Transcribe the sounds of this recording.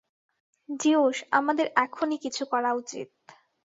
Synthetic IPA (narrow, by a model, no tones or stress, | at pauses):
d͡ʑioʃa̰mad̪eɾɛkʰonikit͡ɕʰukɔɾaut͡ɕḭt̪̚